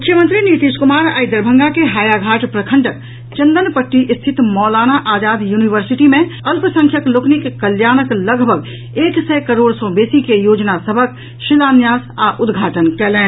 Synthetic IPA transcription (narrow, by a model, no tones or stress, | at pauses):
ʊkʰjəmənt̪ɾinit̪iːʃkʊmaːɾa̰ːjd̪əɾbʱə̃ŋɡakeɦaːjaɡʱaːʈpɾəkʰə̃ɳʈək | t͡ʃə̃nd̪ənpəʈːiʔɪst̪ʰɪt̪mɔːlaːnaʔaːd͡ʒaːd̪juːniʋəɾsɪʈimẽəlpəsə̃ŋkʰjəklokʰnikkəljaːnəkləɡbʱəɡ | eːksɛkəɾoːɽsɔ̃beːsikejoːd͡ʒnasəbʱək | ʃɪlaːnjaːsaʔʊd̪ɡʱaːʈənkɛːlẽː